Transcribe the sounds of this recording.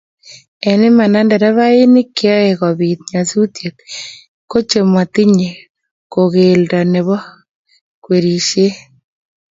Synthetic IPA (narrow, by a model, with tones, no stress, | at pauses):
e˨nɪ˦ma˨na˦ndɛ˨ɾɛ˦βa˦i˦ni˦kːjɔ˦e˨kɔ˨βi˨t̪̚ɲa˨su˦t̪je˨t̚ | ko˦t͡ʃe˨mwa˨t̪i˦ɲe˨ | ko˨ɣe˨ldɔ˨ne˨βɔ˦ | kwe˨ɾi˨ʃje˦